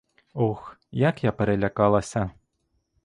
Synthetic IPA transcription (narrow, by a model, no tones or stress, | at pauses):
ɔxjakjapɛɾɛlʲakalˠɐsʲɐ